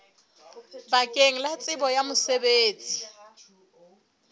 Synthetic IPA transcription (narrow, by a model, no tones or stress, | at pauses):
bakʼeŋ̩lat͡sʼɪbɔjamʊsebeːt͡sʼi̥